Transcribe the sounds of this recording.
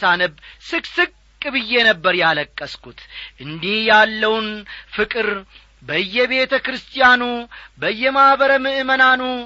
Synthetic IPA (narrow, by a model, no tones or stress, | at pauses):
sanəbsɨkʼsɨkʼːɨbɨjːe̞nəbːəɾjaləkʼːəskʰʼut̪ʔɨnd̪ihjalːəwnfɨkʼɨɾ | bəɨjːɛβe̞t̪ʰəkɾɨst̪ʰijanubəjːɛmahβəɾəmɨʔɨmənanu